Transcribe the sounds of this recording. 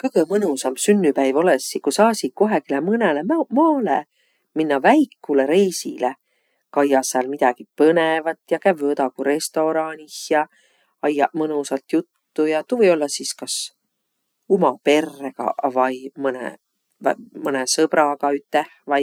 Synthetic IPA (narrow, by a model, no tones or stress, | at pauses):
kɤjɡ̥əmɤnusɑmsynːypæjvo̞lesːikusɑːsʲikoɦekilemɤnelemmɑːle | minːɑvæjkːuleɾejsile | kɑjːɑsːɑlmid̪̥ɑɡ̥ipɤnevɑt̪ːjɑkævot̪ɑkuɾe̞st̪o̞ɾɑnʲihjɑ | ɑjːɑ̰mɤnusɑlt̪jut̪ːujɑt̪uvɤjo̞lːɑsiskɑs | umɑpe̞rːeɡ̥ɑ̰vɑjmɤnḛ | vɑ̰mɤnesɤb̥ɾɑkɑyt̪ːehvɑj